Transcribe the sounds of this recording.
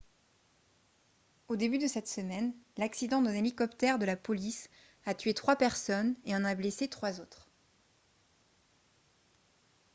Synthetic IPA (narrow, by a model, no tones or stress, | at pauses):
od̪ebyd̪əsɛt̪səmɛnlaksid̪ɑ̃d̪ɛ̃nelikɔpt̪ɛʁd̪əlapɔlis | at̪ɥet̪χwapɛʁsɔneɑ̃nableset̪χwazot̪χ